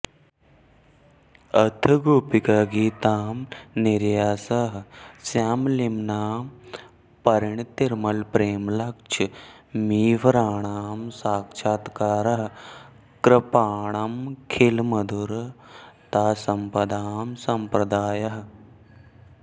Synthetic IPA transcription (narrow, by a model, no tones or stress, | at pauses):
ɐt̪ʰəɡuːpikaɡiːt̪aːmniɾjaːsɐɦsjaːmlimnaːm | pɐɾiɳt̪iɾmɐlpɾeːmlɐkt͡ʃʰ | miːʋɾaːɳamsaːkt͡ʃʰaːt̪kaːɾɐɦ | kɾɐpaːɳɐmkʰilmɐd̪uɾ | t̪aːsɐmpɐd̪aːmsɐmpɾɐd̪aːjɐɦ